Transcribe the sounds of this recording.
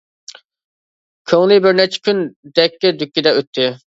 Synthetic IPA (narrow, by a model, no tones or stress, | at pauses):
kʲʰøŋlɪbɪɾnɛt͡ʃʰɪ̥kʲynd̪ɛkʲːɪd̪ykʲːid̪ɛøt̪ʰːɪ